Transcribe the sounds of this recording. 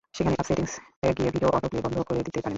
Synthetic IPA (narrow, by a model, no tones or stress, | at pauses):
ʃekʰaneʔapseʈiŋseɡijebʱideoʔɔʈoklibɔnd̪ʱokoɾed̪it̪epaɾen